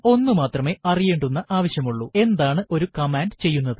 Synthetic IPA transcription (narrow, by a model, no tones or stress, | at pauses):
o̞nːɨmaːt̪rɐme̞ːʔɐrijeːɳɖunːɐʔaːʋɐɕjɐmuɭːue̞nd̪aːɳɨʔo̞ɾukɐmaːnɖt͡ɕe̞jːunːɐðɨ